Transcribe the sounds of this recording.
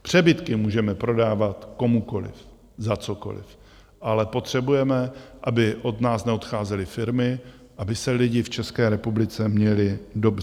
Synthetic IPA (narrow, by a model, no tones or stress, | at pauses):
pr̝̥ɛbɪt̪kɪmuːʒɛmɛpɾo̞daːvat̪ko̞muko̞lɪ̰f | zat͡so̞ko̞̰lɪ̰f | ʔalɛpo̞t̪r̝̥ɛbujɛmɛʔabɪʔo̞d̪naːsnɛot̪xaːzɛlɪfɪɾmɪ | ʔabɪsɛlɪɟɪft͡ʃɛskɛːɾɛpublɪt͡sɛmɲɛlɪdo̞br